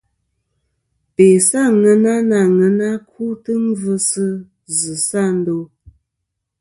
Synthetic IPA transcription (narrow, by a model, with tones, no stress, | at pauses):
pe˨sa˦˨ŋə˨na˦na˨ŋə˨na˦kʰu˦tə˦m˦və˦sə˦ | zə˨sa˦˨n̩˦do˦